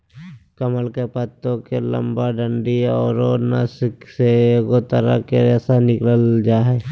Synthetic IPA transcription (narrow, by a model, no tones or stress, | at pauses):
kəməlkepət̪ːõkelə̰̃mbaɖəɳɖiɔːɾona̰sɪkseɡot̪əɾa̰keɾɛːsanɪkləld͡ʒaːɦɛ